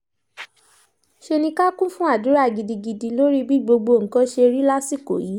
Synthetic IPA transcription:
ʃe˧nĩ˧ka˦kũ˦fũ˦a˦˨du˨˦ɾa˦˨ɡi˨di˨˧ɡi˧di˧lo˦ɾi˦bi˦˨ɡ͡bo˧ɡ͡bo˧˨ŋ̩˨˦kɔ̃˦ʃe˧ɾi˦la˦si˦˨ko̰˨ji˨˦

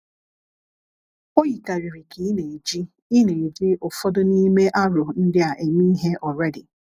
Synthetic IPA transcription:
o˦ji˨ka˨ɾi˨ɾi˨ki˨˦ne˨e˨d͡ʒi˦ | i˦ne˨e˨d͡ʒi˦ʔo˨fɔ˦do˦ni˦me˦ʔa˦ɾʊ˨n̩˦dɪ˦a˨ʔe˨mi˦ɦe˦ʔɔ˨ɾɛ˦dɪ˨

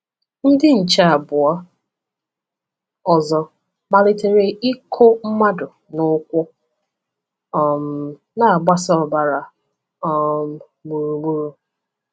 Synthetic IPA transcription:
n̩˦dɪ˦n̩˨t͡ʃa˦˨a˨bʊ˨ɔ˦ | ɔ˨zɔ˨ | ma˨lɪ˦te˨ɾe˨ɪ˦kʰo˦m̩˦ma˦dʊ˨ | nʊ˦kʷʊ˦ | ɔ˨m̩˨ | na˨a˨ɡ͡ba˦sɔ˦˨ba˨ɾa˨ | ɔ˨m˨ | mu˨ɾu˨mu˦ɾu˨

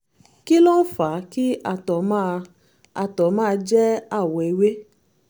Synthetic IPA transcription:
ki˦lo˦n̩˦fa˨˦ki˦a˦˨tɔ˨mã˦˧ | a˨tɔ˨mãː˦˧d͡ʒɛ˦a˦˨wɔ˨e˨˧we˦

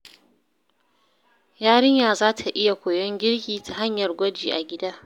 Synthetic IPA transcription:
jaː˦ɽɪ˦ɲjaː˨zaː˦tʰa˨ʔɪ˦ja˨kʷoː˨jɔ˦ŋɡʲɪ˦ɽɡʲiː˨tʰa˨ɦa˦ɲjɐ˨rɡʷɔ˦d͡ʒiː˨ʔa˨ɡʲɪ˦daː˦

